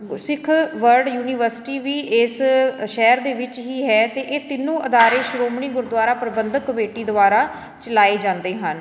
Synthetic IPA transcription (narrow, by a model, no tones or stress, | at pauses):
sɪkʰʋəɾɖjuːniːʋəɾsɪ̥ʈiːʋiːʔeːsʃɛːɾd̪eːʋɪt͡ʃɦiːɦɛːt̪eːʔeːt̪ɪnːũːʔəd̪aːɾeːʃɾoːmɳiːɡʊɾd̪ʋaːɾaːpɾəbənd̪kəʋeːʈiːd̪ʊʋaːɾaː | t͡ʃəlaːeːd͡ʒãːnd̪eːɦən